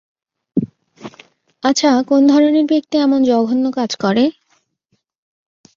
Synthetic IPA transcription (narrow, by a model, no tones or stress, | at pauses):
at͡ɕʰakond̪ʱɔɾoneɾbek̚t̪iɛmond͡ʑɔɡʱonːokad͡ʑkɔɾe